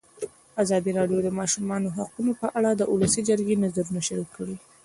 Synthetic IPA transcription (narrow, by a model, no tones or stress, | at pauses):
azɑd̪iɾɑɖjod̪əmɑʃumɑnoɦaqunopəʔaɽad̪əʔulasid͡ʒəɾɡenazaɾunaʃaɾikːəɽi